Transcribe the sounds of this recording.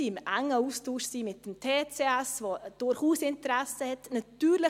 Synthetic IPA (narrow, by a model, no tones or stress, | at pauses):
imʔaŋːəuːstuːʃsiːmɪt̚d̥emtʰeːt͡seɛsvoːd̥ʊɾχuːsɪntəɾɛsəhɛtnatyːɾlɪ